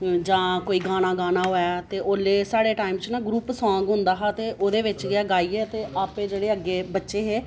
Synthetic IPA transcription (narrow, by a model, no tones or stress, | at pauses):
d͡ʒãːkoːiːɡaːnaːɡaːnaːɦoːjaːt̪eːʔoːlːeːsaːɽeːʈaːɪimt͡ʃnãːɡɾuːpsãːɡɦʊ̃nd̪aːɦaːt̪eːʔoːd̪eːʋɪt͡ʃɡɪaːɡaːiːɛːt̪eːʔaːpeːd͡ʒeːɽeːəɡːeːbətːʃeːɦeː